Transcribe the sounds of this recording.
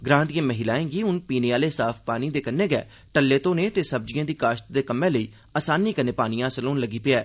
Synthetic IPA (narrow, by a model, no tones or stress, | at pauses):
ɡɾãːnd̪ijẽːməɦɪlaːẽːɡiːʊnpiːneaːleːsaːpʰpaːniːd̪eːkənːeːɡɛ̰ː | ʈəlːeːt̪õːneːt̪eːsəb̚d͡ʒɪjãːd̪iːkaːʃt̪̚d̪eːkəmːẽːləiː | aːsaːnːiːkəneːpaːnɪjãːsəloːnləɡiːpɪɛː